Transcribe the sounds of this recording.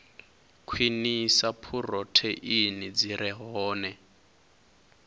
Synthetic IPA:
kʰwinisapʰurɔtʰɛʔinid͡ziɾʔɛɦɔːnɛ

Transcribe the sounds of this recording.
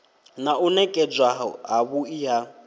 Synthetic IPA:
naʔunɛkʼɛd͡ʒwaɦɦaβuija

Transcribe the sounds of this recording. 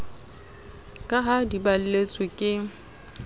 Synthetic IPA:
kʼaɦadibal̩let͡sʼwɪkʼɪ

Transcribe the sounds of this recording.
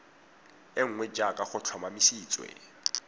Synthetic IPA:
ɪŋ̩ŋwɛd͡ʒakʼaχʊt͡ɬʰɔmamisiːt͡sʼwɛ̰

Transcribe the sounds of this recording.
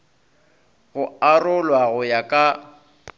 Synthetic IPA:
ɣʊarʊlwaɣʊjakʼa

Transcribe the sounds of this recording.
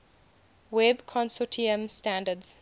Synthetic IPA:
wɛbkʰɔ̃nsɔtʰiə̃mstãndədz̥

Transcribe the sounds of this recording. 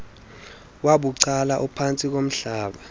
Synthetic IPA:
waɓuǀalaʔupʰant͡sʼik̬om̩ɬaːɓa

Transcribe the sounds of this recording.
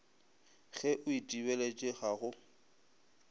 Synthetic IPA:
ɣɛʔʊitʼibɛlet͡ʃʼɪɣaɣʊ

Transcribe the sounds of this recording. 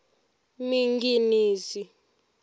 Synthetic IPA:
miŋɡiniːsi

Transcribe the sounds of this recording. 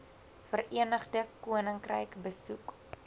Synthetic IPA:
fərʔiənəχdəkuənəŋkrə̰jkbəsuk

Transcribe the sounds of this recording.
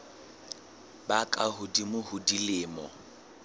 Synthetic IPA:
bakʼaɦʊdimʊhʊdilɪːmɔ

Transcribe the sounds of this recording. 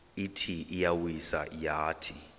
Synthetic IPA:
itʰiʔijawisa̰jaːtʰi

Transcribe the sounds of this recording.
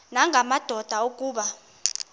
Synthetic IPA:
naŋʱamad̥ʱɔd̥ʱaokʼuːɓa

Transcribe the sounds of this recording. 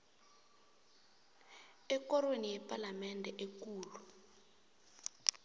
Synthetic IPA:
ɛkɔronijɛpalamɛndʱɛʔekuːlu

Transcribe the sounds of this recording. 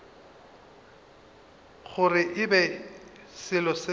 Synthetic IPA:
χʊrɪʔɪbɛ | sɪlɔsɪ

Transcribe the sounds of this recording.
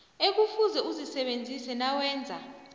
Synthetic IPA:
ek̬ufuzɛuzisɛɓend͡zʱisɛnawɛːnd͡zʱa

